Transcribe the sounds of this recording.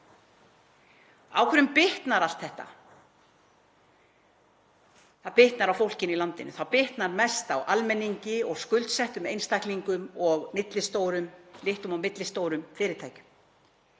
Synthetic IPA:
a̰wkʰɛɾʏmpɪht̪naɾalt̪θɛht̪a̰ | θaðpɪht̪naɾawfowlcɪnilant̪ɪnːʏ̰θawpɪht̪naɾmɛst̪awʔalmɛnːiɲcɪɔɣskʏlt̪sɛht̪ʏmejnst̪ajkliŋkʏmɔɣmɪt̪lɪst̪oːwɾʏmlɪht̪ʏmɔɣmɪt̪lɪst̪oːwɾʏmfɪːɾɪɾt̪ʰaːjcʏ̥m

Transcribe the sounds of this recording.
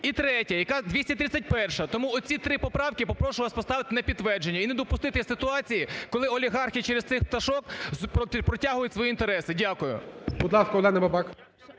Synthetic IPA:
it̪ɾɛtʲɐjɐkɑd̪ʲʋʲisʲtʲɐt̪ɾɪt͡sʲːɐt̚ʲpɛrʃɐt̪ɔmuɔt͡sʲit̪ɾɪpɔpɾɑwkɪpɔpɾɔʃʊlˠɐspɔst̪ɑʋɪt̪ɪnɐpʲid̪ʋɛrd͡ʒenʲːɐined̪ɔpʊst̪ɪt̪ɪsʲɪt̪ʊɑt͡sʲijikɔlˠɪɔlʲiɦɑrxʲit͡ʃɛɾest̪sɪxp̚t̪ɐʃɔkpʲpɾɔtʲaɦʊjʊtʲsʋɔjiint̪eɾɛsɪdʲakʊjʊ̰bʊd̪lˠɑskɐɔlˠɛnɐbɐbɑk

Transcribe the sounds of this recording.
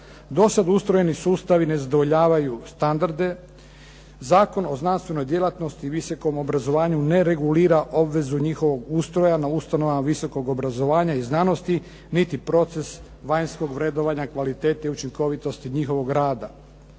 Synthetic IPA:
d̪o̞sad̪ust̪ɾojenisuːst̪aʋine̞zad̪oʋo̞ʎaːʋajust̪and̪aɾd̪e̞ | zaːko̞no̞znanst̪ʋe̞no̞jd̪je̞lat̪no̞st̪iʋiso̞ko̞mo̞bɾazo̞ʋaːɲune̞ɾe̞ɡuliːɾaʔo̞bʋe̞zuɲixo̞ʋo̞ɡust̪ɾo̞janaust̪ano̞ʋamaʋiso̞ko̞ɡo̞bɾazo̞ʋaːɲaiznano̞st̪i | nit̪ipɾo̞t̪se̞s | ʋajnsko̞ɡʋɾed̪o̞ʋaɲakʋalit̪e̞ːt̪aiut͡ʃiŋko̞ʋit̪o̞st̪iɲixo̞ʋo̞ɡɾaːd̪a

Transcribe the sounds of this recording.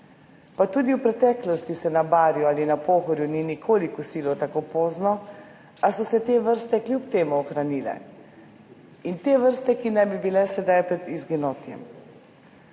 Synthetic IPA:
pat̪uːd̪iwpɾɛt̪ɛːklɔst̪isɛnabaːɾjuaːlinapoːxɔɾjuninikʰoːlikusiːlɔt̪akoːpoːznɔ | asɔsɛt̪eːʋəɾst̪ɛklʲjupt̪eːmuɔxɾaniːlɛ̰ | int̪eːʋəɾst̪ɛkinajbibilɛsɛd̪ajpɾɛd̪izɡinoːt̪jɛ̰m

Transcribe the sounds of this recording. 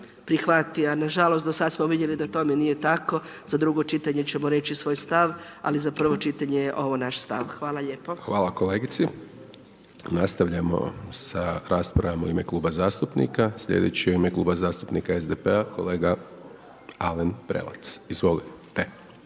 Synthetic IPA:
pɾixʋat̪ijanaʒalo̞st̪d̪osad̪smoʋid̪je̞lid̪at̪ome̞nije̞t̪ako̞ | z̥ad̪ɾuɡo̞t͡ʃit̪aɲe̞t͡ɕe̞mo̞ɾe̞t͡ɕisʋoːjst̪aʋ | a̰lizapr̩ʋo̞t͡ʃit̪aɲejeʔo̞ʋonaʃst̪a̰ʋxʋaːlaʎeːpoxʋaːlˠako̞leːɡit̪si | nast̪aʋʎamo̞̰saɾaːspɾaʋamoimeklˠuːbazaːst̪upnḭkasʎḛd̪et͡ɕioimeklˠuːbazaːst̪upnikaezd̪epeako̞̰leːɡa | alenpɾḛlˠa̰t̪sizʋo̞lit̪t̪e

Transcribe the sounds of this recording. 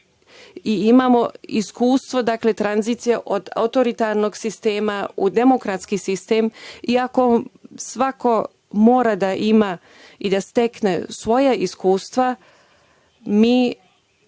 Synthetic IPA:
iimamo̞iskuːst̪ʋo̞d̪akle̞t̪ɾanziːt̪sijeʔo̞d̪a̰ut̪o̞ɾit̪aːɾno̞ɡsist̪e̞ːmaud̪e̞mo̞kɾat̪skisist̪e̞ːmiako̞sʋako̞ | mo̞ːɾad̪aʔima | id̪ast̪e̞kne̞sʋo̞jaiskuːst̪ʋa | miː

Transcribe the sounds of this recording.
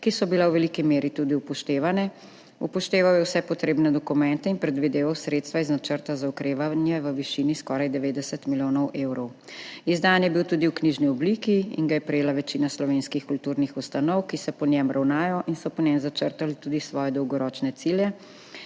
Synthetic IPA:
kisɔbilɛwʋɛlikimeːɾit̪ud̪iupɔʃt̪eːʋanɛ | upɔʃt̪eːʋawjɛwsɛpɔt̪ɾeːbnɛd̪ɔkumɛnt̪ɛinpɾɛd̪ʋid̪eːʋawsɾet̪st̪ʋaiznat͡ʃəɾt̪azaukɾeːʋanjɛʋəʋiʃiːniskɔːɾajd̪ɛʋeːd̪ɛsət̪miljoːnɔwʔeːwɾɔw | izd̪anjɛbiwt̪uːd̪iwkniʒniɔblikiḭnɡajɛpɾɛjeːlaʋɛt͡ʃinaslɔʋeːnskixkult̪uɾnixust̪anɔwkisɛpɔnjɛmɾʔawnaːjɔʔinsɔpɔnɛmzat͡ʃəɾt̪alit̪uːd̪isʋɔːjɛd̪ɔwɡɔɾɔːt͡ʃnɛt̪siljɛ

